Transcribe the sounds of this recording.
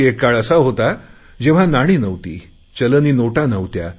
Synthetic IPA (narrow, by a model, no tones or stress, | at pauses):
ekːaɭəsaɦot̪a | d͡ʑeʋ̤anaɽ̃iːnəʋt̪ḭː | t͡ɕələniːnoʈanəʋt̪ja̰